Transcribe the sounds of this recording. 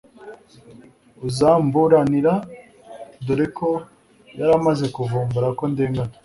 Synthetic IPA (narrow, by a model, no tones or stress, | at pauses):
uzaːmbuɾaniɾa | doɾekʰo | jaɾamaze̞kuvuːmbuɾako̞ndeːŋɡano